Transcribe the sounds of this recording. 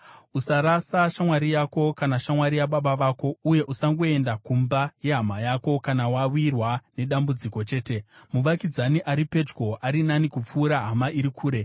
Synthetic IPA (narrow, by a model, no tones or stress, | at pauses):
usaɾasaʃamwaɾijako̞kanaʃamwaɾijaɓaɓaʋaːko̞uje̞ʔusaŋɡo̞e̞ndakumbaje̞ɦamajaːko̞kanawawirwane̞ɗambud͡ziko̞t͡ʃe̞ːte̞muʋakid͡zaniʔaɾipe̞d͡ʒɡoʔaɾinanikup͡fuːɾaɦamaʔiɾikʰuːɾe̞